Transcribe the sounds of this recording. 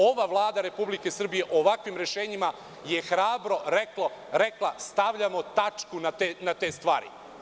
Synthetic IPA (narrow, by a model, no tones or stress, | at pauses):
o̞ʋaʋlˠaːd̪aɾe̞publike̞sr̩bije̞ʔoʋakʋimɾe̞ʃeːɲima | je̞xɾaːbɾoɾeklˠoɾeklˠast̪aʋʎamo̞t̪at͡ʂkunat̪enat̪e̞ːst̪ʋa̰ːɾḭ